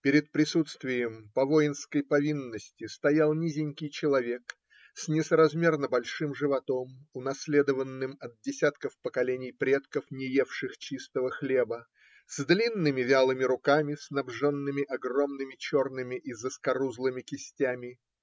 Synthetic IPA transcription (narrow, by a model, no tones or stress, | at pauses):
pʲɪɾʲɪt̪̚pɾʲɪsut̪st̪vʲɪjəmpɐvoɪnskəjpɐvʲinːəsʲtʲɪst̪ɐjalˠnʲizʲɪnʲkʲɪjt͡ɕɪlˠɐvʲe̞k | sʲnʲɪsəɾɐzmʲe̞rnəbɐlʲʂɨmʐɨvɐt̪o̞mʊnɐsʲlʲe̞d̪əvənːɨmɐt̪̚dʲɪsʲat̪kəfpəkɐlʲenʲɪjpɾʲe̞t̪kəfnʲɪjefʂɨxt͡ɕist̪əvəxlʲe̞bə | z̥d̪lʲinːɨmʲɪvʲalˠɨmʲɪɾʊkamʲɪsnɐbʐonːɨmʲɪʔɐɡro̞mnɨmʲɪt͡ɕo̞rnɨmʲɪʔizəskɐɾuzlˠɨmʲɪkʲɪsʲtʲamʲɪ